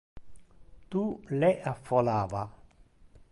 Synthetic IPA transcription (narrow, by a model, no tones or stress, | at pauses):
t̪ulɛʔafɔlaːva